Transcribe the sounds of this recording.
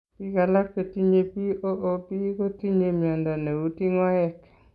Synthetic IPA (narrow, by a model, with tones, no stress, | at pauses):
pi˦ka˨la˦kke˨ti˦ɲe˨pi˦ʔo˦ʔo˦pi˦ko˦ti˦ɲe˨mja˨nda˨ne˨u˦ti˦ŋwa˦ɛ˦˨k